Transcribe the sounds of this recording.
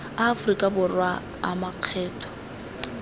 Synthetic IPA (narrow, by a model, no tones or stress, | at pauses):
aːfʊrikʼabʊrwa | a̰maq͡χʰɛːtʼʰɔ̥